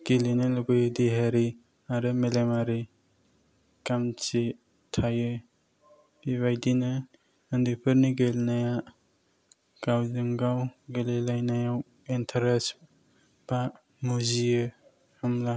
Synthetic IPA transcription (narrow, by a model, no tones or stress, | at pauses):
ɡilinaluɡɯjdiɦaɾi | aɾɯmelemaɾi | kamt͡ʃi | tʰajɯ | biβajdinɯː | ndipʰɯɾniɡelnaja | ɡawzɯŋɡawɡelelajnajaw | entʰaɾas | b̥a | muzijɯ | hamla